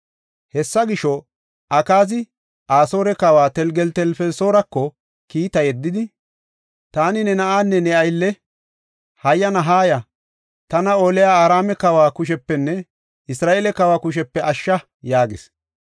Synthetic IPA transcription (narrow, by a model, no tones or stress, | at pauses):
hɛsːɐɡɪʃɔ | ʔɐkaːzɪ | aːso̞ːɾɛkɐwaːt̪ɛlɡɛlt̪ɛlfɛlso̞ːɾɐkːɔ | kiːt̪ɐjɛd̪ːɪd̪ɪ | t̪aːnɪnɛnɐʔaːnːɛnɛɐjlːɛ | hɐjːɐnɐɦaːjɐ | t̪ɐnɐoːlɛjaːaːɾaːmɛkɐwaːkʊʃ̬ɛpːɛnːɛ | ɪsɾaːeːlɛkɐwaːkʊʃ̬ɛpːɛʔɐʃːɐ | jaːɡḛs